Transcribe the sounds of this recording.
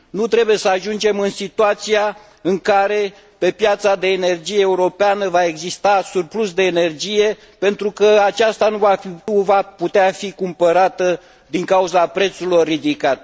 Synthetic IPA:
nut̪ɾe̞buje̞səaʒund͡ʒe̞mɨnsit̪uat̪sija | ɨŋkaɾe̞ | pe̞pjat̪sad̪e̞ːne̞rd͡ʒije̞ːuɾo̞peanəvae̞ɡzist̪asurplus̬d̪e̞ːne̞rd͡ʒije̞ | pe̞nt̪ɾukəat͡ʃast̪anuvauvaput̪eafikumpəɾat̪ə | d̪iŋkauzapɾe̞t̪sulo̞rːid̪ikat̪̚

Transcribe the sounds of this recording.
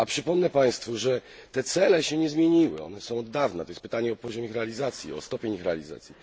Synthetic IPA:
apʂɘpɔmnɛpaj̃st̪fuʐɛt̪ɛt̪sɛlɛɕɛɲɛzmʲjeɲiwɘ̰ɔ̰nɛsɔ̃w̃ɔd̪ːavnɛt̪ɔjɛspɘt̪aɲɛɔpɔʑɔmʲjixɾɛalʲizat̪sʲjḭɔ̰st̪ɔpʲeɲixɾɛalʲiza̰t̪sʲji

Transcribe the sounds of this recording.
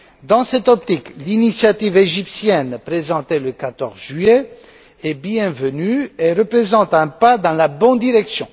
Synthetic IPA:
d̪ɑ̃sɛt̪ɔpt̪iklinisjat̪iveʒipsjɛnpχezɑ̃t̪eləkat̪ɔʁzʒye | ɛbjɛ̃vənyeʁəpχezɑ̃t̪ɛ̃pad̪ɑ̃labɔ̃nd̪iʁɛksjɔ̃

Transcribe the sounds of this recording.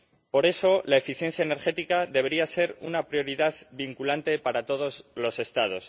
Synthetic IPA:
po̞ɾe̞so̞laefiθje̞n̟θjaene̞ɾe̞t̪ikaðe̞βeɾiase̞ɾunapɾjo̞ɾiðaðbiŋkulant̪e̞paɾat̪o̞ð̞o̞zlo̞se̞st̪að̞o̞s

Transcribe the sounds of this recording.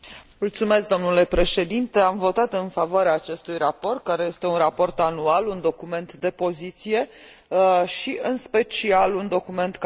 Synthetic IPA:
mult̪sume̞sk̚d̪o̞mnule̞pɾe̞ʃe̞d̪int̪e̞amvo̞t̪at̪ɨnfavoaɾeaːt͡ʃe̞st̪ujrapo̞rt̪̚kaɾe̞je̞st̪e̞unrapo̞rt̪anualund̪o̞kume̞nt̪d̪e̞po̞zit̪sije̞ | ʃiɨnspe̞t͡ʃialund̪o̞kume̞nt̪k

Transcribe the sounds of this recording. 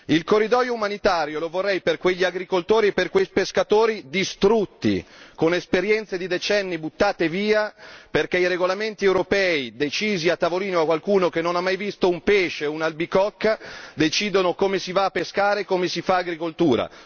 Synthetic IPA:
ilkorːid̪ɔːjoumanit̪aːɾjolovorːɛjperkweʎːiaɡɾikolt̪oːɾieperkwejpeskat̪oːɾid̪ist̪ɾut̪ːḭkonespeɾjɛnt̪sed̪id̪et͡ʃɛnːibut̪ːaːt̪eviːaperk̟eiɾeɡolament̪iɛwɾopɛːid̪et͡ʃiːziat̪ːavoliːnoakːwalkuːnokenːonamːajvist̪oumpeʃeunalbikɔkːad̪et͡ʃiːd̪onokomesivaːpːeskaːɾekomesifaːɡɾikolt̪uːɾa̰

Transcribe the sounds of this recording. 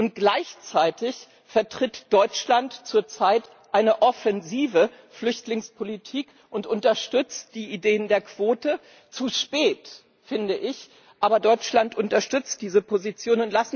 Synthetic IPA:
ʔʊnt̚ɡ̥laɪçt͡saɪtɪç | fɛɐtʁ̥ɪtd̥ɔʏt͡ʃlantt͡suːɐt͡saɪt | ʔaɪnəʔɔfɛnziːvə | flʏçtlɪŋspʰolitʰiːk | ʔʊntʔʊntɐʃtʏt͡st̚d̥iːʔideːəndeːɐkv̥oːtə | t͡suʃpɛːt | fɪndəʔɪç | ʔaːbɐdɔʏt͡ʃlantʔʊntɐʃtʏt͡st̚d̥iːzəpʰozit͡sjoːnʊntlasn

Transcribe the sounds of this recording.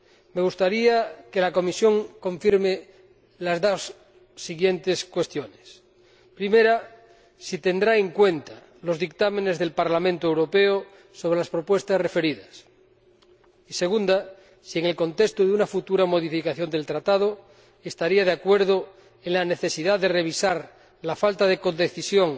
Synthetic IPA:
meɣ̞ust̪aɾiake̞lako̞misjo̞ŋko̞ɱfiɾme | lazðosː | iɣjent̪e̞skwest̪jones | pɾimeɾa | sit̪e̞nd̪ɾaeŋkwe̞nt̪a | lozðik̚t̪amene̞zðelpaɾlamẽnt̪oewɾopeo | so̞β̞ɾelaspɾopwe̞st̪asrefe̞ɾiðas | ise̞ɣund̪a | sieŋelko̞nt̪ekst̪oðeunafut̪uɾamo̞ðifikaθjo̞nd̪e̞lt̪ɾat̪að̞o | est̪aɾiað̞eakwe̞ɾð̞o | eŋlaneθe̞siðaðere̞β̞isaɾ | lafalt̪aðeko̞d̪eθisjoŋ

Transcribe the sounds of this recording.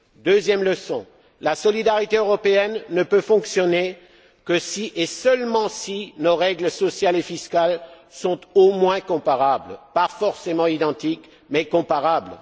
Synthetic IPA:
d̪øzjɛmləsɔ̰̃ | lasɔlid̪aʁit̪eøʁɔpeɛnːəpøfɔ̃ksjɔne | kəsiʔesœlmɑ̃sinoʁɛɡləsɔsjalefiskal | sɔ̃t̪omwɛ̃kɔ̃paʁablpafɔʁsemɑ̃id̪ɑ̃t̪ik | mɛkɔ̃paʁabl

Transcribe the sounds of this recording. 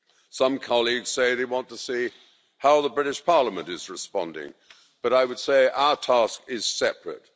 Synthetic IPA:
sʌ̃mkʰɑlˠiɡz̥seɪðeɪwɑ̃ntəsi | haʊðəbɹɪɾɨʃpʰɑɹləmɨ̃ntɨzɹɨspɑ̰̃ndɪ̰̃ŋ | b̥ʌɾaɪwəd̥seɪʔaʊə˞tʰæskɪz̥sɛpʰɹɨ̰t̚

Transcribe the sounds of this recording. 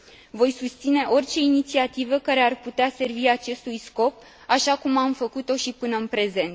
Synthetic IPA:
vo̞jsust̪sine̞ʔo̞rʲt͡ʃe̞init̪siat̪ivəkaɾe̞arput̪ease̞rviat͡ʃe̞st̪ujsko̞p̚ | aʃakumamfəkut̪o̞ʃipɨnəɨnpɾe̞ze̞nt̪

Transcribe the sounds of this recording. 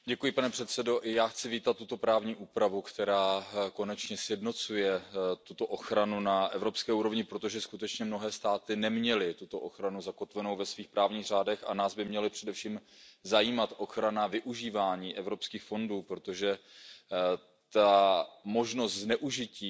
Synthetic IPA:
ɟɛkujɪpanɛpr̥ɛt̪sɛdo̞ʔɪjaːxt͡sɪviːt̪at̪ːut̪o̞pɾaːvɲiːʔuːpɾavukt̪ɛɾaːko̞nɛt͡ʃɲɛsjɛdno̞t͡sujɛt̪ut̪o̞ʔo̞xɾanunaʔɛvɾo̞pskɛːʔuːɾo̞vɲɪpɾot̪o̞ʒɛskut̪ɛt͡ʃɲɛmno̞ɦɛːst̪aːt̪ɪnɛmɲɛlɪt̪ut̪o̞ʔoxɾanuzako̞t̪vɛno̞wvɛsviːxpɾʔaːvɲiːɣr̝aːdɛxa̰naːzbɪmɲɛlɪpr̥ɛdɛfʃiːmzajiːmat̪ʔo̞xɾanavɪʔuʒiːvaːɲiːʔɛvɾo̞pskiːxfo̞nduːpɾo̞t̪o̞ʒɛ | t̪amo̞ʒno̞st̪znɛʔuʒɪciː

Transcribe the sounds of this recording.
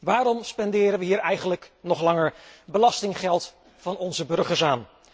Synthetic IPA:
ʋaːɾɔmspɛndɪːɾənʋəɦiːɹɛjχənləknɔχlɑŋəɹbəlɑstɪŋχɛlˠt | fɑnɔnzəbɵɹχəɹsaːn

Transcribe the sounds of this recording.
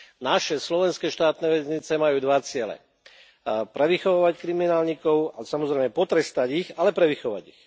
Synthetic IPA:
naʃɛslɔʋɛnskɛʃt̪aːt̪nɛʋɛzɲit͡sɛmajuːd̪ʋat͡sɪɛlɛ̰ | pɾɛʋixɔʋaːʋackɾiminaːlɲikɔʊasamɔzɾɛjmɛpɔt̪ɾɛst̪aɟixalɛpɾɛʋixɔʋa̰ɟix

